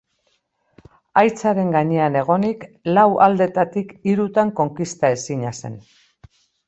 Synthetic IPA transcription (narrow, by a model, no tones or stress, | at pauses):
ajt͡saɾe̞ŋɡaɲe̞ane̞ɣ̞o̞niklawʔald̪e̞t̪at̪ikiɾut̪aŋko̞ŋkist̪ae̞siɲase̞̰n